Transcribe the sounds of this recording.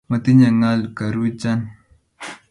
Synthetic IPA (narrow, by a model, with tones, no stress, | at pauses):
mə˨t̪i˦ɲa˨ŋa˦lkə˨ɾwi˦t͡ʃa˦n